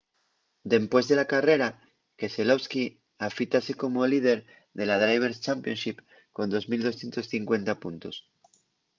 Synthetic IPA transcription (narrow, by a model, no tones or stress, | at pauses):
d̪e̞mpwe̞zðe̞lakare̞ɾa | ke̞selo̞βski | afit̪ase̞ko̞molið̞e̞ɾ | ðe̞lað̞ɾajβ̞e̞ɾst͡ʃampjonʃip | ko̞nd̪o̞zmild̪o̞sθje̞nt̪osθiŋkwe̞nt̪apunt̪us